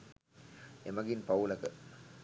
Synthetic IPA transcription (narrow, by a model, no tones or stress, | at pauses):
emɐɡinpaulɐkə